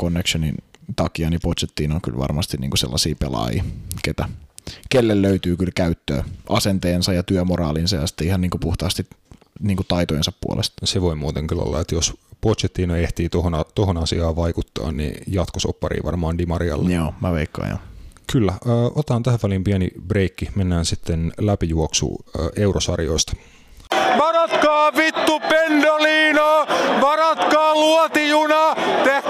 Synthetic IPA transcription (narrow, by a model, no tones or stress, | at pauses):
konːekʃonḭnt̪ɑkiɑnipot̪set̪ːiːnoky̰lʋɑ̰rmɑst̪innḭːŋkusḛlːɑsiːpḛlɑ̰ːjḭːket̪ækelːelløyt̪yːkylkæyt̪ːø̰ːʔɑsent̪eːnsɑjɑt̪yømorɑːlinsɑjɑsi̥t̪ːeihɑnniːŋkupuht̪ɑːst̪it | niːŋkut̪ɑit̪ojensɑppṵo̰lest̪seʋoimuːt̪eŋkylo̰lːɑ̰et̪jospot̪set̪ːiːnoeht̪iːt̪ohonɑt̪ohonɑsiɑːʋɑikut̪ːɑ̰ːnnḭjɑt̪koso̰pːɑrḭːʋɑ̰rmɑːndimɑɾiɑ̰lːejo̰ːmæ̰ʋḛikːɑ̰ːjo̰kylːæəːʔot̪ɑhːnt̪æhæʋʋælimpiænḭbre̞ikːimenːæːnsit̪ːenlæpijuoksṵːʔe̞urosɑrjo̞̰ist̪ɑ̥ | ʋɑɾot̪kɑːʋit̪ːupendoliːnoːʋɑɾot̪kɑːluɔt̪ijunɑt̪e